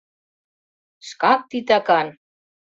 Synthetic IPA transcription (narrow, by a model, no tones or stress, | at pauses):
ʃkɑk̚t̪it̪ɑkɑn